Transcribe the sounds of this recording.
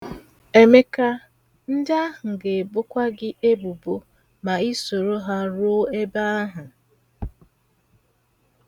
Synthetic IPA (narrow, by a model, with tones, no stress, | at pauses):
e˨me˦ka˦ | n̩˦da˦ɦʊ˨ŋ̩˨ɡe˨bʊ˦kʷa˦ɡɪ˦ʔe˦bu˨bo˦ | ma˨i˦so˨ɾo˦ɦa˦ɾʊ˦e˦ba˦a˦ɦʊ˨